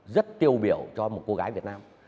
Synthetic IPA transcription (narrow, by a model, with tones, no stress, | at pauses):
zə˦˥t̚t̪i˧˩əwɓḭ˧˩˨əwt͡ɕɔ˧mo˨˩t̚ko˧ɣaː˨˦jvət̚naː˧m